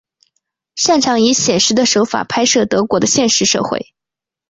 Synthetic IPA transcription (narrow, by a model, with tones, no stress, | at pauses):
ʂa˥˩nʈ͡ʂʰɑ˧˥ŋi˧˥ɕjɛ˨˩nʂɻ̩˧˥d̪ə˧ʂo˧˥ʊfa̰˨˩pʰa˥ɪʂɤ˥˩t̪ɤ˧˥kwɔ˧˥d̪ə˧ɕjɛ˥˧nʂɻ̩˧˥ʂɤ̰˥˧xwḛ˥˩ɪ